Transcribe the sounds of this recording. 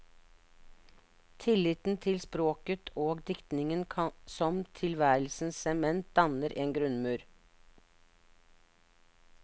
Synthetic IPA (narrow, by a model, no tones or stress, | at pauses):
t̪ʰɪlɪt̪n̩t̪ʰɪlspɾoːkət̪ʰoːɡd̪ɪkt̪nɪŋənʰɑsɔmt̪ʰɪlʋæːɾl̩sn̩sɛmɛnt̪̚d̪̥ɑnəɾʔeːnɡɾʉnmʉːɾ